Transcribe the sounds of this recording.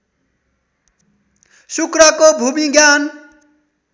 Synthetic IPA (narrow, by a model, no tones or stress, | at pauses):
sukɾakobʱumiɡjan